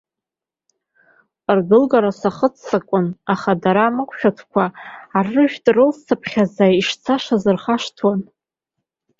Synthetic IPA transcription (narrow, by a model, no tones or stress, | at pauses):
rdɨlɡaɾasaχət͡sʰːakʷʼʊnaχadaɾaːmɨkʷʰʼʃᶣatʰkʷʰaːrːɨʒᶣtʼrɨlssʰapʰχʲazaiʂt͡sʰaʂazɨrχaʂtʰwan